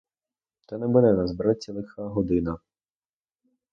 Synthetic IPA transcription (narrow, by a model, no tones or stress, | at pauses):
t̪ɛnɛbud̪ɛnazbɾat͡sʲːilˠɪxaɦɔd̪ɪnɐ